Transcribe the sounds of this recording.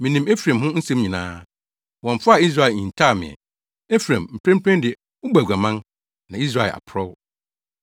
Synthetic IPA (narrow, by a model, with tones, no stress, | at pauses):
mĩ˨nĩ˨me˦fɾã˨mɦʊ̃˦n̩˦sɛ̃˦mɲĩ˨nãː˦ | wɔ̃˨ɱ˨fa˦a˦˨i˦s̬ɾa˦˨e˨ĩ˨n̩˨tʰaː˦˨mɪ̰̃˨ɛ̰˨ | e˦fɾã˨mm̩˨pʰɾɛ̃˦mpʰɾɛ̃˦ndɪ˨ɛ˨ | ʊ˦bæ˨ɡʷa˨mã˦n | nã˨i˦s̬ɾa˦˨e˨a̰˨pʰɾɔ˦w